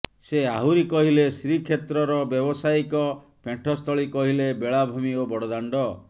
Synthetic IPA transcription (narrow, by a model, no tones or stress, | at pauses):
seaɦuɾikɔɦilesɾikʰet̪ɾɔɾɔbjɔbɔsaikɔ | peɳʈʰɔst̪ʰɔɭikɔɦilebeɭabʱumiobɔɽɔd̪aɳɖɔ